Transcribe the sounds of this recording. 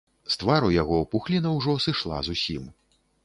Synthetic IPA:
st̪vaɾujaɣɔupuxlʲinɐwʐɔsɨʂlˠa̰zusʲim

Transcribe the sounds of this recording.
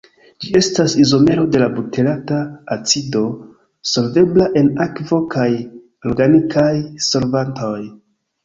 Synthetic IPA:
d͡ʒie̞stasizo̞me̞ɾo̞de̞labutʰe̞lataːt͡sido̞ | so̞lve̞blaʔe̞nakvo̞kʰaj | olɡanikʰajso̞lvanto̞j

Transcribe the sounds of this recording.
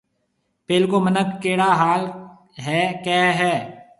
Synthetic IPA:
peːlkomənəkkeːɽaɦaːl | ɦɛːkɛːɦɛː

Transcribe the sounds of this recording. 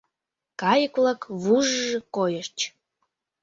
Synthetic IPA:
kɑjəkβlɑkβuʒʒɤ̆kojəʃt͡ɕ

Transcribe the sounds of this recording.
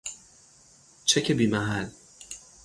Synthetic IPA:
t͡ʃʰecʰebiːmæɦæl

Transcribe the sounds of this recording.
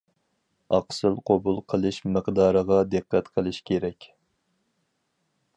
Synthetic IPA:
ɑqsɨlˠqʰobulˠqʰəlˠɨʃməqd̪ɑːɾəʁɑd̪ɨqːɛt̪qʰəlˠɨʃkʲʰeɾɛkʲ

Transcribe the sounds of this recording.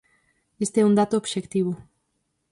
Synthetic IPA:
est̪eɛund̪at̪oobʃekt̪iβ̞ʊ

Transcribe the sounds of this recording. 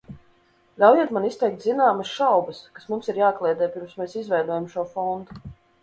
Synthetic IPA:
lʲawjiɛt̪manist̪ɛjk̚t̪zinaːmɐsʃawbɐskasmumsiɾjaːklˠɛːd̪ɛːpiɾmsmeːsizvʲɛjd̪uɔjamʃuɔfɔnd̪u

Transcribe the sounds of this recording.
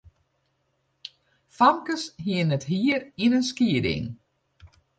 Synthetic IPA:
famkəsɦiənɛtɦiərinənskiədɪ̰ŋ

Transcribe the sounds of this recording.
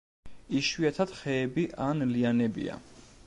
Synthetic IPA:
iʃwiat̪ʰad̪̥χɛːbiʔanlianɛbḭa̰

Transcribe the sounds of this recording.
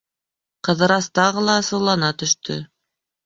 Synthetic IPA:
qɤ̆ðɤ̆ɾɑst̪ɑʁɤlˠɑsɤ̆lˠɑnɑt̪ɵ̆ʃt̪ʰɵ̰

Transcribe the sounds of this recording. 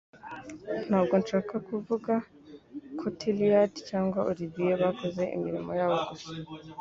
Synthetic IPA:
n̥haːbɡo̞nʃaːkakuvuɡa | kʰotʰelijatcaːŋɡwaʔuɾiβijeβakoze̞ʔḭmiɾimo̞jaːβo̞ɡusḁ

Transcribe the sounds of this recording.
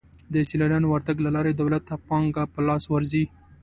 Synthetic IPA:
d̪əsilaɽɑnowaɾt̪aɡlalɑɾed̪awlat̪ːapɑŋɡapəlɑswaɾzi

